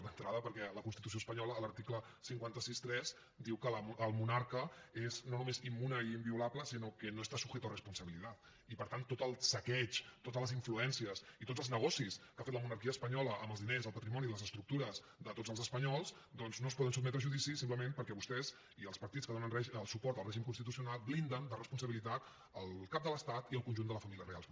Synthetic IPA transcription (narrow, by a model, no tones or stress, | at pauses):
d̪ənt̪ɾaðəpəɾkɛləkunst̪it̪us̬oəspəɲɔləːləɾt̪iklə | siŋkwant̪əsist̪ɾɛz | d̪iwkələʔəlˠmunaɾkəeznonumezimːunəiimbiulabləsinokənoest̪asuxɛt̪ərəspunsəβilit̪at̪ | ipəɾt̪ant̪ot̪əlˠsəkɛt͡ʃt̪ot̪əzləziɱfluɛnsiəsit̪otd͡zəlˠznəɣɔsiskafet̪ləmunəɾkiəːspəɲɔləʔəməlzðinezəlˠpət̪ɾimɔniləzəst̪ɾuk̚t̪uɾəz | ðət̪otd͡zəlˠzəspəɲɔlˠz | d̪ɔnznos̬pɔðənsubmɛt̪ɾəʒuðisisimpləmempəɾkɛβust̪ɛz | iəlˠspəɾt̪it͡skəðonənrɛəlˠsupɔɾt̪əlˠrɛʒimkunst̪it̪̬usiunalˠblind̪ənd̪ərəspuns̬əβilit̪at̪ | əlˠkap̚d̪ələst̪at̪iəlˠkunʒund̪ələfəmilijərea̰lˠ